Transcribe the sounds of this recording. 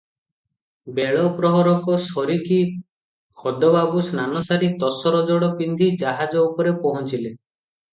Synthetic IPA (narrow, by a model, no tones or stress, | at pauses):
beɭɔpɾɔɦɔɾɔkɔsɔɾiki | kɔd̪ɔbabusnanɔsaɾit̪ɔsɔɾɔd͡ʒɔɽɔpind̪ʱid͡ʒaɦad͡ʒɔupɔɾepɔɦɔt͡ʃile